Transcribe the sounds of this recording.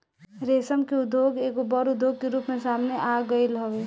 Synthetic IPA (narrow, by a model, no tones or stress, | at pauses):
ɾesəmkeud̪ʱjoɡeɡobəɾud̪ʱːoɡ̚keɾupmesamneʔaɡəɪlɦəbe